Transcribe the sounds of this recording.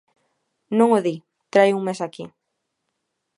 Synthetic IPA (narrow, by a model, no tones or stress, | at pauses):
nõŋoði | t̪ɾajuŋmesaki